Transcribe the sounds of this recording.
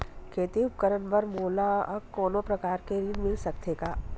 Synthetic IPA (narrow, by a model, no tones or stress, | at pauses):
kʰeːt̪iʊp̚kəɾənpɐɾmoːlaɐkoːnõpɾɐkaːɾkeɾinmɪlsɐk̚t̪eːɡaː